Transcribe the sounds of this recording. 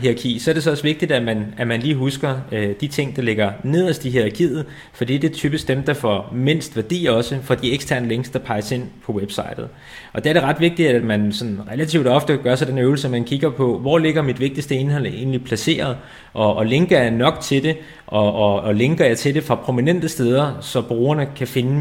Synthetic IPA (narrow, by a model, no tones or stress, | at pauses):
ɦiʁɑ̈kʰḭːsɒɐɾ̥e̝s̬ɒ̽ɒ̽sʋe̝ɡ̥̚d̥id̥æmænæmænliːɦusɡ̥ɐd̥it͡sʰe̝ŋ̰d̥ɑ̈le̝ɡ̥ɐne̝ð̞̰ˠɐsd̥iɦiʁɑkʰḭːð̩ˠ | fɒd̥ḭːd̥e̝t͡sʰyːb̥isɡ̥̚d̥emd̥ɑ̈fɒ̰me̝n̰sd̥ʋæɐd̥ḭːɒ̽səfɒ̽d̥ieɡ̥sd̥ʰæɐ̰nəle̝ŋ̰sd̥d̥ɑ̈pʰɑ̈ɪse̝n̰pʰɒ̽web̥sɑ̈ɪd̥ð̩ˠ | ʔɒ̽d̥e̝æɐɾe̝ʁɑ̈d̥ʋe̝ɡ̥̚d̥id̥æmænsɒ̽nʁɛlæt͡sʰiʊd̥ɒ̽fd̥əɡ̥ɶɐsɑ̈denøʊl̩səmænkʰiɡ̥ɐpʰɒ̽ʋɒ̰le̝ɡ̥ɐmid̥ʋe̝ɡ̥̚d̥isd̥əe̝nɦɒ̽l̰e̝̰ːnlipʰlæse̝̰ːɐð̞̩ˠ | ʔɒ̽ʔːle̝ŋɡ̥ɐɑ̈nɒ̽ɡ̥t͡sʰe̝ld̥e̝ | ʔɒ̽ɒle̝ŋɡ̥ɐjɑt͡sʰe̝de̝fʁɑ̈pʰʁo̝minen̰d̥əsd̥eːð̞ˠɐsɒ̽b̥ʁuːɐnəkʰæfe̝nə